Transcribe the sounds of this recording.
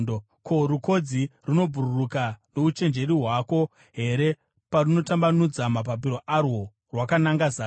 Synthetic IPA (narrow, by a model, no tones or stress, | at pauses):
kʰo̞ɾuko̞d͡ziruno̞b͡vʱururukano̞ut͡ʃe̞nd͡ʒe̞ɾiɦwako̞ | ɦe̞ɾe̞ | paruno̞tambanud͡zamap̬ap̬iɾo̞ʔarwo̞ | rwakanaŋɡazaː